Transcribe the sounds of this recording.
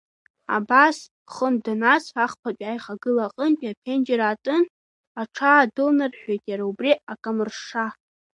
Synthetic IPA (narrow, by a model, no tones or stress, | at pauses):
a̰bas | χəndanasaχpʰat͡pʲʷʼajχaɡɨlaqʼənpʼiapʲʰend͡ʒeɾaːtʼɨn | aʈ͡ʂʰaːdɨlnɨrħʷᶣejtʼjaɾaubriakʼamɨrʂa